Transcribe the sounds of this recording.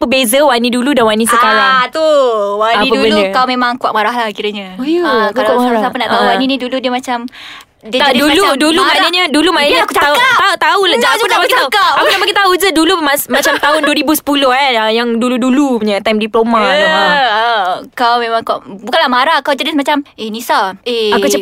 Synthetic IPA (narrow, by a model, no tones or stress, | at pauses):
pəbezəwanĩduludanwanisəkaɾaŋt̪uwaniəbənuəkawmemãŋkuaʔ̚maɾahlahkiɾəɲaojokkaɾasapənaʔt̪auwaniniduludiəmat͡ʃam | dət̪aduludulumanəɲədulumanəɲaakuaaat̪aut̪aulaaunapakit̪aukapakunamakit̪aud͡ʒədulumasmat͡ʃamt̪aɦʊnduəɾibusə̥pulohaəjaŋduluduluɲat̪ajmdiplomaaaəkawmemaŋkuaʔbukanlamaɾahkawd͡ʒanismat͡ʃamehnisaeakut͡ʃ